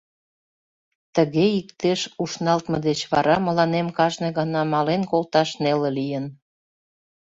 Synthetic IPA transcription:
t̪əɣeikt̪eʃuʃnɑlt̪mə̆d̪et͡ɕβɑɾɑmə̆lɑnemkɑʒneɣɑnɑmɑlenkolt̪ɑʃnelĕlijən

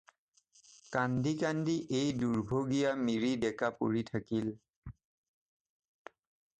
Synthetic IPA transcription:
kandikandiʔejduɹbʱoɡijamiɹidɛkapṵɹitʰakil

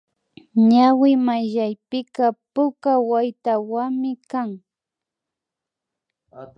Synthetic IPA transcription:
ɲawɪmajʎajpɪkapʊkawajt̪awamɪkaŋ

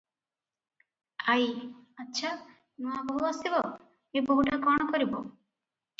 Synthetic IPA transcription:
ajatːʃʰa | nuabɔɦuasibɔ | eboɦuʈakɔɽ̃ɔkɔɾibɔ

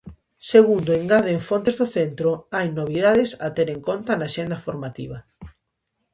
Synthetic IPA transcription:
seɣund̪oeŋɡaðeeɱfont̪ezðoθent̪ɾoajnoβ̞iðaðesa̰t̪eɾẽŋkont̪anaʃend̪ɐfoɾmat̪ḭβ̞ɐ

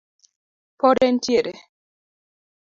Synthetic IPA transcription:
pɔɾɛntjeɾe

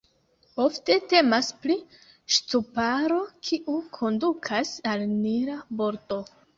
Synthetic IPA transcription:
o̞fte̞te̞maspli | ʃtupaɾo̞kʰiʔukʰo̞ndukʰasalniɾabo̞ɾto̞

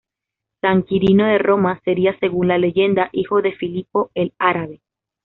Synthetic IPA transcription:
saŋkiɾino̞ðe̞ro̞mase̞ɾiase̞ɣunlale̞ʝe̞nd̪aʔixo̞ðe̞filipo̞e̞laɾaβe̞

